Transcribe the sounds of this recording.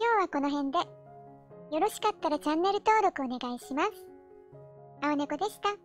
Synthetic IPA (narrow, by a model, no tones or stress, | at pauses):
kʲo̞ːβako̞no̞ɦẽ̞nd̪e̞ | jo̞ɾo̞ɕi̥kat̪ːaɾat͡ɕãnːe̞ɾɯ̟t̪o̞ːɾo̞kɯo̞ne̞ɡaiɕimasɨ̥ | aonekod̪e̞ɕi̥t̪a